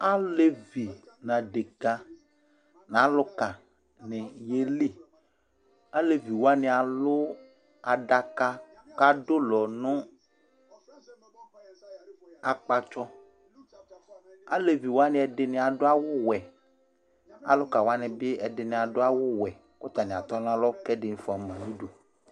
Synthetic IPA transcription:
a˦le˦vi˨nã˨ɖe˨ka˦ | nã˨˦lʊ˦ka˨ | nɛ̃˨je˦li˦˨ | a˦le˨vi˨wo˦a˦nɛ̃˨a˨lʊ˦ | a˨ɖa˨ka˦ka˦do˦lɔ˨nʊ̃˦ | a˨k͡pa˦t͡ʃɔ˦ | a̰˦le˨vi˨wo˦a˦nɛ̃˨ɛ˨ɖɪ˨nɛ̃˨a˨ɖʊ˦a˦wʊ˦wɛ˨ | a̰˨lʊ˦ka˨wo˦a˦nɛ̃˨be˦ɛ˨ɖɪ˨nɛ̃˨a˨ɖʊ˦a˦wʊ˦wɛ˨ | kʊ˦t̪a˨nɛ̃˨a˨t̪ɔ˦nã˦lɔ˦kɛ˦ɖɪ˨n˦fo˨a˨m˨ã˨nũ˦ɖo˨

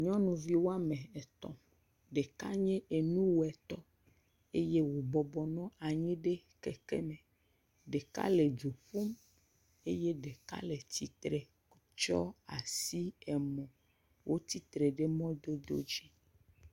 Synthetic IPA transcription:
ɲɔ̃˦nũ˨vi˦wo˦a˦mẽ˨ɛ˨t̪ɔ̰̃˨ | ɖe˨ka˦ɲɛ̃˦ʔe˨nũ˦wo˨ɛ˨t̪ɔ˦ | e˦je˦wo˨bɔ˨bɔ˨nɔ̃˦a˨ɲĩ˦ɖe˦ | kɛ̰˨kɛ̰˦mẽ˨ | ɖe˨ka̰˦le˨d͡ʒu˨ɸu˦m | e˦je˦ɖe˨ka̰˦le˨t̪i˨t̪ɾe˨˦ | t͡ʃɔ̰˦a˨si˦ɛ˨mɔ̃˨ | wʔo˦t̪i˦t̪ɾe˨ɖe˦mɔ̃˦d̪o˦d̪o̰˦d͡ʑi˦

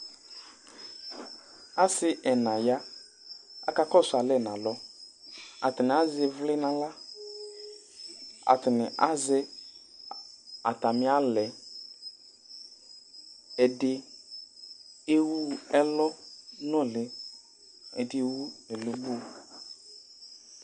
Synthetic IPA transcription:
a˦sɪ˦ʔɛ˨nã˨ja˦ | a˨ka˦kɔ˦˨sʊ˨a˨lɛ˦˨nã˨lɔ˦ | a̰˨tɪ˨nɪ˨a˨˦zɪ˦vlɪ˦nã˦la˦ | a̰˨tɪ˨nɪ˨ʔa̰˦zɪ˦ | a̰˨ta˨mɪ˦a˦lɛ˨ | ɛ˨dɪ˦ | e˦wu˦ɛ˦lɔ˦nɔ̃˦˨lɪ˨ | ɛ̰˨dɪ˦wu˦e˨lo˨bu˦˨

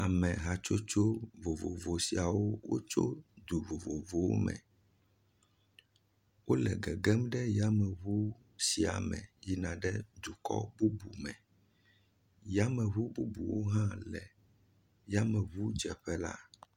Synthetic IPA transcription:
a˨mɛ̃˨ɦa˨t͡ʃo˦t͡ʃo˦vo˨vo̰˨vo˨si˨a˨wo˦wo̰˦t͡ʃo˦d̪u˨vo˨vo˨vo˨wo̰˦mɛ̰̃˨ | wo˦lɛ̰˨ɡɛ˨ɡɛ˦mɖɛ˦ja˦mɛ̃˨βu˦ | si˨a̰˨mɛ̰̃˨ji˦nã˨ɖɛ˦d̪u˨kɔ̰˦bu˦bu˨mɛ̃˨ | ja˦mɛ̃˨βu˦bu˦bu˨wo˦ɦã˦lɛ˨ | ja˦mɛ̃˨βu˦d͡ʒɛ˨ɸɛ˦la̰˦

